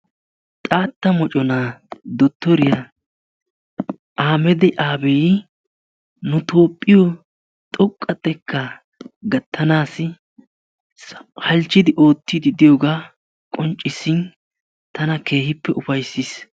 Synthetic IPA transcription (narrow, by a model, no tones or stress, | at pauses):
t̪ʼaːt̪ːɐmɔt͡ʃʼɔnad̪ɔt̪ːɔɾɪja | ʔaːmɛd̪ɛʔaːbɛjɪ | nʊt̪oːpʼːɪjɔ | t̪ʼɔkʼːɐt̪ːɛkːɐ | ɡɐt̪ʰːɐnaːsɪ | hɐlt͡ʃːɪd̪ɪʔo̞ːt̪ːid̪ɪd̪ɪjoːɡaː | kʼɔnt͡ʃʼːɪsɪn | t̪ɐnɐke̞ːhɪpːɛʔʊfɐjsːɪs